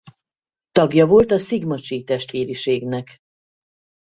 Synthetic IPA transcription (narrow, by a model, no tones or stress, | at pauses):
t̪ɒɡjɒvo̞lt̪ɒsiɡmɒt͡ʃit̪ɛʃt̪ʋeːɾiʃeːɡnɛk